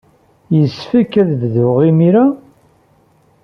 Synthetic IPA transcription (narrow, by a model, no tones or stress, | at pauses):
jəsfækːæðððʊʁimiɾa